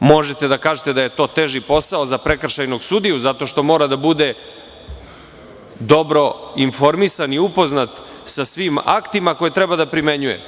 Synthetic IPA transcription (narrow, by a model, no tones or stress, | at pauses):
mo̞ʒet̪ed̪akaːʒet̪ed̪aje̞t̪o̞ːt̪eʒipo̞saozapɾe̞kr̩ʃajno̞ɡsud̪ijuzat̪o̞ʃt̪o̞mo̞ːɾad̪abud̪e | d̪o̞bɾo̞info̞ɾmisaniupo̞znat̪ | sasʋima̰kt̪imako̞jet̪ɾebad̪apɾime̞ɲujḛ